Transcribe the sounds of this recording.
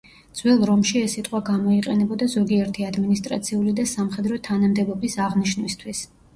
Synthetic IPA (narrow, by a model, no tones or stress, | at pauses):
d̪zwɛlˠɾɔmʃiɛsːit̪ʼqʼwaɡamɔiqʼɛnɛbɔd̪azɔɡiɛɾt̪ʰiad̪minist̪ʼɾa̰t̪sʰiulid̪asamχɛd̪ɾɔt̪ʰanamd̪ɛbɔbisaʁniʃnwist̪ʰwis